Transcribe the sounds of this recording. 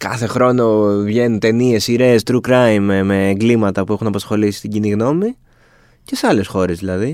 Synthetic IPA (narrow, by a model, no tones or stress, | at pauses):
kɐ̰θe̞xɾo̞no̞vʝe̞nunt̪e̞nie̞siɾe̞ːst̪ɾukɾɐjmemːeːŋɡlimɐt̪ɐpue̞xunɐpɐsxo̞lisist̪iɟiniɣno̞mi | ce̞seɐle̞sxo̞ɾe̞zðilɐði